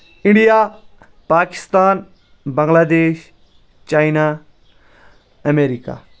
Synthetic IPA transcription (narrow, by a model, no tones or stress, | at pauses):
ɪɳɖijaː | paːkɪ̥st̪aːn | bɐ̃ŋɡlaːd̪eːʃ | t͡ʃaːinaː | ɐmeːɾika̰ː